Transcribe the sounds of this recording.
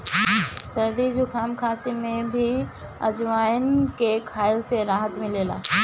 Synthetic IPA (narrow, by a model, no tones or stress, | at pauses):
sɐɾd̪id͡ʒʊkʰaːmkʰaːsimẽbʱi | ɐ̰d͡ʒʋaːjnkekʰaːɪlseɾaːɦət̪mɪleːla̰ː